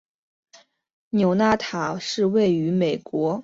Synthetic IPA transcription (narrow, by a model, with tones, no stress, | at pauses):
njo˨˩ʊna˥˩t̪ʰa˨˩ʂɻ̩˥˧we˥˩ɪy˧˥me˨˩ɪkwɔ˧˥